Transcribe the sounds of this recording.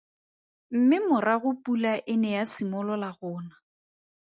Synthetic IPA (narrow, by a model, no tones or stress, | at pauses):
m̩mɪmʊraɣʊpʼulaʔɪnɛjasɪmɔlɔlaɣʊːna